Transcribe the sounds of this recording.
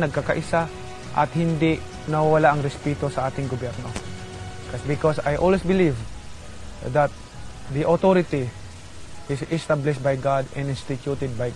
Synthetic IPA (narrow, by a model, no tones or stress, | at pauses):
nɐɡ̚kakɐʔɪsa | ʔɐ̰t̪̚hɪnd̪ɪʔ | nɐwwɐlaʔɐŋɾɛspɛt̪osɐʔaːt̪ɪŋɡobjɛɾno | kasbɪkosajʔolwɛsbɪliv | ðat̪̚ | d̪iʔot̪oɾɪt̪i | ʔɪsɪst̪ablɪʃbajɡad̪ɛ̃nɪ̃nst̪ɪt̪jut̪ɛd̪̚baj